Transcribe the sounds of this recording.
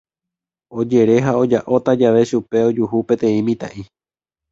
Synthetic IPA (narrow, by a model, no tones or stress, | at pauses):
o̞d͡ʒe̞ɾe̞ɦao̞d͡ʒaʔo̞t̪ad͡ʒaʋe̞ʃupe̞o̞d͡ʒuhupẽ̞t̪ẽ̞ĩmĩt̪a̰ʔi